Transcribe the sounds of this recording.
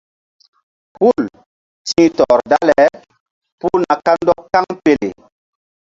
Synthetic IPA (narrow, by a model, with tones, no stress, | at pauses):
pu˦˨l | tĩː˦tɔ˨ɾda˦lɛ˨ | pu˦na˨ka˦ndɔ˦kːa˦ŋpe˨lḛ˨